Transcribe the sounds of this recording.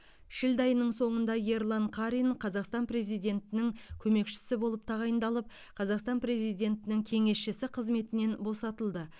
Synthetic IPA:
ʃɪld̪ɑjənːəɴso̞ɴənd̪ɑje̞ɾlˠɑɴqʰɑɾinqʰɑzɑqst̪ɑnpre̞zijd̪e̞nt̪ɪnɪŋkʲʰɵme̞kʃɪ̥sɪbo̞lˠəp̚t̪ʰɑʁɑjənd̪ɑlˠəp̚ | qʰɑzɑqst̪ɑnpɾe̞zijd̪ʲe̞nt̪ɪnɪŋkʲʰe̞ŋe̞sʃɪsɪqʰəzme̞t̪ɪne̞nbo̞sɑt̪əlˠd̪ə

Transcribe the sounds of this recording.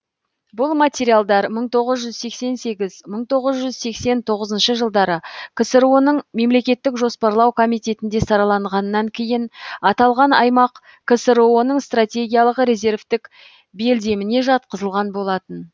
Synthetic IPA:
bʊlˠmat̪ʲeɾijalˠd̪ɑɾməɴt̪ʰo̞ʁəzʒʏzse̞kse̞nse̞ɡʲɪzməɴt̪ʰo̞ʁəzʒʏzse̞kse̞nt̪ʰo̞ʁəzənʃəʒəlˠd̪ɑɾəkʰəsəɾo̞nəɴme̞mle̞kʲe̞t̪ːɪkʒo̞spɑɾlˠɑwkʰo̞mijt̪ʲe̞t̪ɪnd̪e̞sɑɾɑlˠɑɴʁɑnəːɑŋkʲʰe̞jɪnɑt̪ɑlˠʁɑnɑjmɑq | kʰəsəɾonəɴst̪rat̪ʲe̞ɡʲijalˠəqɾe̞ze̞ɾvt̪ɪk | be̞ld̪e̞mɪne̞ʒɑt̪̚qəzəlˠʁɑnbo̞lˠɑt̪ən

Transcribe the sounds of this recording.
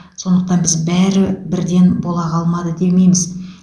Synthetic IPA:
so̞nd̪əq̚t̪ɑnbɪzbæɾɪbɪɾd̪e̞nbo̞lˠɑqʰɑlˠmɑd̪əd̪e̞me̞jmɪz

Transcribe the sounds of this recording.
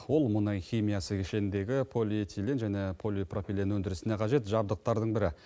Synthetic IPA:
wo̞lˠmʊnɑjχʲijmijasəkʲʰɪʃe̞nɪnd̪e̞ɡʲɪpʰo̞lʲit̪ʰʲilʲenʒæne̞pʰo̞lʲijprofʲilʲenwɵnd̪ɪɾɪsɪne̞qʰɑʒe̞t̪ʒɑb̚d̪əq̚t̪ɑɾd̪əɴbɪɾɪ

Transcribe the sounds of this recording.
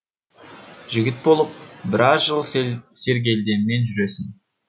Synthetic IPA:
ʒɪɡʲɪt̪̚bo̞lˠəp̚bɪɾɑzʒəlˠse̞ɾɡʲe̞ld̪e̞nɪne̞nʒʏɾe̞sɪn

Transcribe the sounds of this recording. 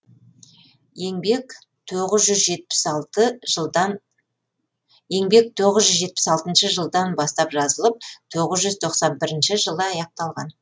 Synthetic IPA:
eŋbek | t̪ʰoʁəzʒʏzʒe̞t̪̚pɪ̥sɑlˠt̪əʒ | je̞ŋbe̞k̚t̪ʰo̞ʁəzʒʏzʒe̞t̪̚pɪ̥sɑlˠt̪ənʃəʒəlˠd̪ɑnbɑst̪ɑpʒɑzəlˠəp̚t̪ʰo̞ʁəzʒʏzt̪ʰo̞qsɑnbɪɾɪnʃɪʒəlˠəɑjɑq̚t̪ɑlˠʁɑ̰n

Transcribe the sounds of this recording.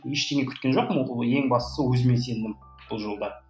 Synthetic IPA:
jeʃt̪e̞ŋe̞kʰʲʏ̥t̪kʲenʒo̞qmje̞ŋbɑst̪ə̥səwɵzɪme̞nse̞nd̪ɪm | b̥ʊlˠʒo̞lˠd̪ɑ

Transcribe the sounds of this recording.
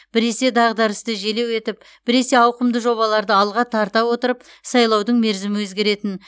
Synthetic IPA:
b̥ɪɾe̞se̞d̪ɑʁd̪ɑɾəst̪əʒele̞we̞t̪ɪp̚ | b̥ɪɾe̞se̞ɑwqəmd̪əʒo̞βɑlˠɑɾd̪əɑlˠʁɑt̪ʰɑɾt̪ɑwo̞t̪əɾəp | sɑjlˠɑwd̪əɴme̞ɾzɪmɪwɵzɡʲe̞ɾe̞t̪ɪn

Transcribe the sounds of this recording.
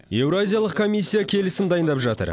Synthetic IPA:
je̞wɾoazʲijalˠəqkʰo̞mʲijsʲːijakʲʰe̞lɪsɪmd̪ɑjənd̪ɑpʒɑt̪ə̰ɾ

